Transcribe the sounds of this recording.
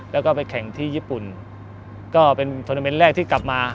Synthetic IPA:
lɛː˦˥wkɔː˥˩pa˧jkʰɛ˨˩˦ŋt̪ʰiː˥˩jiː˥˩pu˨˩n | kɔː˥˩pe˧nt̪ʰoː˧na˧me˦˥nɾɛː˥˩k̚t̪ʰiː˥˩kla˨˩p̚maː˧

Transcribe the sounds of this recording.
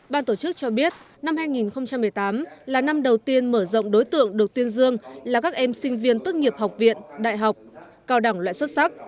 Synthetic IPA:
ɓaː˧nt̪o˧˩t͡ɕɨ˦˥k̚t͡ɕɔ˧ɓi˦˥ət̚ | na˧mhaː˧jŋi˨˩nxə˧wŋ͡mt͡ɕa˧mːɨ˨˩əjt̪aː˨˦mlaː˨˩na˧mɗə˨˩wt̪i˧ənməː˧˩zo̰˧˨wŋ͡mɗo˨˦jt̪ɨ̰˧˨əŋɗɨ˨˩ək̚t̪i˧ənzɨ˧əŋlaː˨˩kaː˦˥k̚ʔɛ˧msï˧ŋ̟vi˧ənt̪o˦˥t̚ŋi˨˩əp̚hɦa˨˩wk͡p̚vḭ˧˨ənɗa̰ː˧˨jɦa˨˩wk͡p̚ | kaː˧wɗa˧˩ŋlwa̰ː˧˨jswə˦˥t̚sa˦˥k̚

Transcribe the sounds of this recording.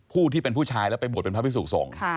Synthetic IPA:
pʰuː˥˩t̪ʰiː˥˩pe˧npʰuː˥˩t͡ɕʰaː˧jlɛ˦˥wpa˧jbo˨˩t̚e˧pʰa˦˥pʰi˥suː˨˩k̚sɔ̰ː˩˦ŋkʰa˥˩

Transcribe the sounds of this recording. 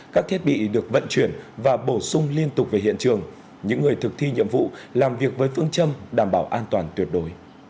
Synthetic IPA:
kaː˦˥k̚t̪ʰi˦˥t̚ɓḭ˧˨ɗɨ˨˩ək̚və̰˧˨nt͡ɕwi˧˩ənvaː˨˩ɓo˧˩sʊ˧ŋ͡mli˧ənt̪ʊ˨˩k͡p̚ve˨˩hḭ˧˨ənt͡ɕɨ˨˩əŋ | ɲɨ̰˧˥ŋːɨ˨˩əjt̪ʰɨ˨˩k̚t̪ʰi˧ɲə̰˧˨əmvṵ˧˨laː˨˩mvi˨˩ək̚vəː˨˦jfɨ˧əŋt͡ɕə˧mɗaː˧˩mɓaː˧˩wʔaː˧nt̪waː˨˩nt̪wi˨˩ət̚ɗo˨˦j

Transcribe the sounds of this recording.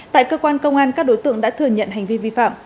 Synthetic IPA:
t̪a̰ː˧˨jkəː˧kwaː˧nkə˧wŋ͡mʔaː˧nkaː˦˥k̚ɗo˨˦jt̪ɨ̰˧˨əŋɗa̰ː˧˥t̪ʰɨ˨˩əŋɲə̰˧˨nɦa˨˩jŋ̟vi˧vi˧fa̰ː˧˨m

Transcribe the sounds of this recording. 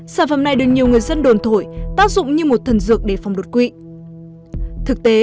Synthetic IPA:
saː˧˩nfə̰˧˩mna˨˩jɗɨ˨˩ək̚ɲi˨˩əwŋɨ˨˩əjzə˧nɗo˨˩nt̪ʰo˧˩jt̪aː˦˥k̚zʊ̰˧˨ŋ͡mɲɨ˧mo˨˩t̚t̪ʰə˨˩nzɨ̰˨˩ək̚ɗe˧˩fa˨˩wŋ͡mɗo˨˩t̚kwḭ˧˨ | t̪ʰɨ˨˩k̚t̪e˨˦

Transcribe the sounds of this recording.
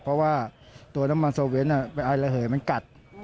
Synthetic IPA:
pʰɔ˦˥waː˥˩t̪u˧əna˦˥ma˧nsoː˧we˦˥niː˥˩pe˧nʔaː˧jla˧ɦɤː˩˦jma˧nka˨˩t̪̚

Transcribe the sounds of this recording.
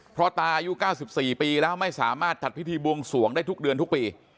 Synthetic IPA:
pʰɾɔ˦˥t̪aː˧ʔa˧ju˦˥kaː˥˩wsi˨˩p̚siː˨˩piː˧lɛː˦˥wma˥˩jsaː˩˦maː˥˩t̪̚t͡ɕa˨˩t̪̚pʰi˦˥t̪ʰiː˧bu˧əŋsu˨˩˦əŋdaː˥˩jt̪u˦˥k̚dɯ˧ənt̪ʰu˦˥k̚piː˧

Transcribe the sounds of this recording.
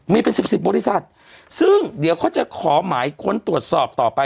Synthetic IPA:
miː˧pe˧nsi˨˩p̚si˨˩p̚bɔː˧li˦˧˩sa˨˩t̪̚ | sɯ˥˩ŋdi˩˦wkʰaː˥˩t͡ɕa˨˩kʰɔː˩˦maː˩˦jkʰu˧nt̪ɾu˨˩ə˩t̪̚sɔː˨˩p̚t̪ɔː˨˩pa˧

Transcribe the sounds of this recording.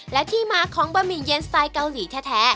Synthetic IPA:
lɛ˦˥t̪ʰiː˥˩maː˧˥kʰɔː˨˦ŋbaː˧miː˨˩nje˧nst̪aː˧jka˧wliː˩˦t̪ʰɛː˦˥t̪ʰɛː˦˥

